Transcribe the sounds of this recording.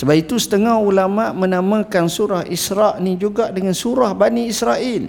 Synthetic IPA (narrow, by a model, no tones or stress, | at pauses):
səbapit̪usə̥t̪əŋahulamãʔmə̃nãmãkansuɾahisɾaʔnĩd͡ʒuɡaʔdəŋansuɾahbaniːsɾaʔil